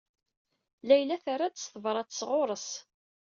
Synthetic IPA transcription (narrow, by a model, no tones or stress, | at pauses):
læjlæθaɾˤad̪əsθəvɾˤɑt͡sːsʁoɾˤəs